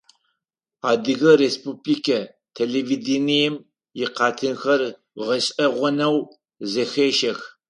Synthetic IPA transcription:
aːdɨɣɐreːspuːblikʰɐ | tʰeleːvidinijɛm | jɪqɑːtʰɨnxɐr | ʁɐɕʼɐʁʷʊnɐw | zɐxeːʃɐx

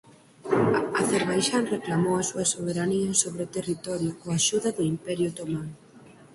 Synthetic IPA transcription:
ɐθeɾβajʃanreklamowɐsuɐsoβ̞eɾaniɐsoβɾeot̪erit̪ɔɾjʊkoaʃuðɐðʊimpɛɾjʊt̪omaŋ

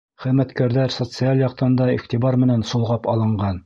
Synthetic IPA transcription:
χɘ̆ðmæt̪kæɾðæɾsot̪sɨalʲjɑq̚t̪ɤ̆nd̪ɑḭχt̪ibɑɾmɘ̆nænsulˠʁɑpɑlˠɤ̆ɴɢɑn

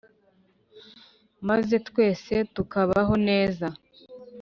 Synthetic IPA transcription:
maze̞tkwe̞ːse̞tukaβaɦo̞ne̞ːza

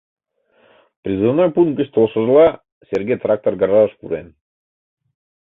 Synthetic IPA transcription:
prʲizɨvnojpunɡʲɘ̆ɕʲt̪olˠʃɤ̆zlˠɑ | sʲerɡʲejt̪rak̚t̪orɡaɾɑʃkuɾen

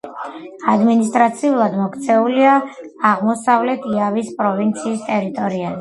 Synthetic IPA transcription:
ad̪minist̪ʼɾat̪sʰiulˠad̪mɔkʰt̪sʰɛuliaː | ʁmɔsavlɛt̪ʰiavispʼɾɔvint̪sʰiːst̪ʼɛɾit̪ʼɔɾia

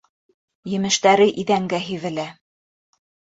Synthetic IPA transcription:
jɘ̆mɘ̆ʃt̪æɾɘʔiðæŋɡæɦivɘ̆læ

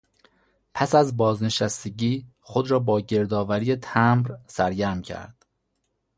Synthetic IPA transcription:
pʰæsæzbɒːzne̞ʃæst̪eɟiː | xod̪ɾɒːbɒːɟe̞ɾd̪ɒːvæɾijet̪ʰæmɾsæɾɟæɾmcʰæ̰ɾd̪̥

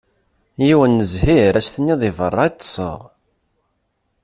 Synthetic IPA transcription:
jiwənːəzhiɾæsθənːiðˤivə̰rˤːɑit̪ˤːsˤə̰ʁ

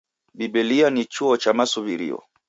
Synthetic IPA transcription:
bibɛlianit͡ʃuɔt͡ʃamasuβiɾḭɔ̰

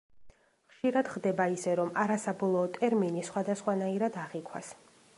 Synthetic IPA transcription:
χʃiɾad̪̥χd̪ɛbaisɛɾɔmaɾasabɔlˠɔːt̪ʼɛɾminisχwad̪asχwanaiɾad̪aʁikʰwa̰s

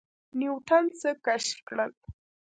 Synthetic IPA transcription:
niwʈʰant͡səkaʃkɽəl

